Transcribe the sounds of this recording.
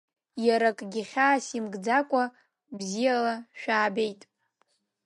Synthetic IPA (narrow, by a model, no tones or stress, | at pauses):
jaɾakʼɡʲɪχʲaːsimɡd͡zakʷʼa | bzijalaʃᶣaːbe̞jtʼ